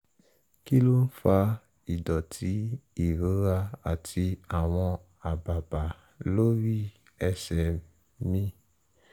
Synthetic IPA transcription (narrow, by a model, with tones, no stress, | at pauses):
ki˦lo˦n̩˦fa˧ | i˨dɔ˨tʰi˦i˨ɾo˨˦ɾa˧a˨tʰi˧a˨w̃ɔ̃˧ | a˨ba˨ba˨ | lo˦ɾi˦˨ | ɛ˧sɛ˨ | mĩ˦